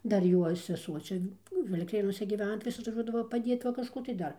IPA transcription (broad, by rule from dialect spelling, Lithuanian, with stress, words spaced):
ˈdɐr ˈjuɔ sʲɛˈsuɔ ˈt͡ʃʲɛ ˈnʊ ʋʲɪlʲˈkʲeːnuɔsʲɛ ɡʲiːˈʋʲæːnɐ tɐɪ ˈʋʲɪs ɐtʋɐˈʒuɔdɐʋoː pɐˈdʲiɛt ʋɐ kɐʃˈkuː tɐɪ ˈdɐr